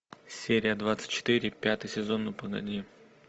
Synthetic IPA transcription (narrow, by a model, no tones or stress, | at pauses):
sʲeɾʲɪjəd̪vat̪sɨ̥tʲt͡ɕɪ̥t̪ɨɾʲɪpʲat̪ɨjsʲɪzo̞nːəpəɡɐ̰d̪ʲi